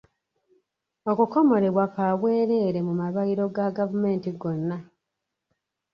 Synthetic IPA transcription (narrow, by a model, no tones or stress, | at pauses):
o̞kuko̞mo̞ɾe̞βwakaβweːɾe̞ːɾe̞mumaβaiɾo̞ɡaɡavume̞ːntiɡo̞nːa